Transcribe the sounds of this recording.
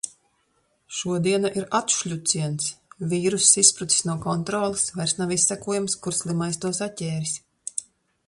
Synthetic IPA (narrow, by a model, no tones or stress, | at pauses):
ʃuɔd̪iɛnaʔiɾat̪ʃʎʲut̪siɛnsviːɾusispɾut̪i̥snuɔkɔnt̪ɾɔːlˠisvajɾsnavisːækuɔjumskuɾslˠimajst̪uɔsatʲɛːɾis